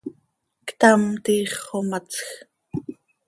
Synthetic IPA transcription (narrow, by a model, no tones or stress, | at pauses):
kt̪amt̪iːχːomat͡sx